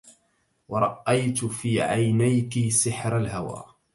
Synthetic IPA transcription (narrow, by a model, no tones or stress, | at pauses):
wɑɾˤɑʔajt̪fiːʕajnajkisɪħɾalɦawa̰ː